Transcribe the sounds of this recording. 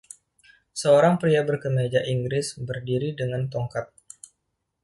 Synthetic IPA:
səoɾaŋpɾiabərkəmed͡ʒaʔiŋɡɾɪsbərdiɾidəŋant̪ɔŋkat̪̚

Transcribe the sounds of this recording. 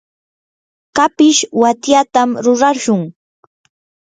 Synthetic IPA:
kapɪʃwat̪jat̪amɾʊɾaʃʊŋ

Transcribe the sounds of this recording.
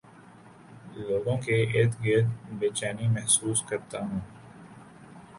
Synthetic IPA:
loːɡõkeet̪ɡeːt̪beːt͡ʃaːnimɛɦsuːskəɾt̪aɦũː

